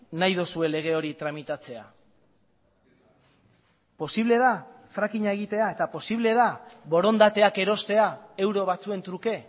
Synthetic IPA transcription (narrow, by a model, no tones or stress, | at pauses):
najðosue̞le̞ɣ̞e̞o̞ɾit̪ɾamit̪at͡se̞a̰ | po̞siβle̞ðafɾakiɲaeɣ̞it̪e̞ae̞t̪apo̞siβle̞ðaβo̞ɾo̞nd̪at̪e̞ake̞ɾo̞st̪e̞ae̞wɾo̞β̞at͡sue̞nt̪ɾuke̞